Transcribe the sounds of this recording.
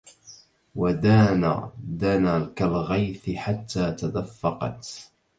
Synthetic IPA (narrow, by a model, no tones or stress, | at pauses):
wad̪aːna̰d̪anakalɣajθɪħat̪ʰːaːt̪ad̪afːɑqɑ̰t̪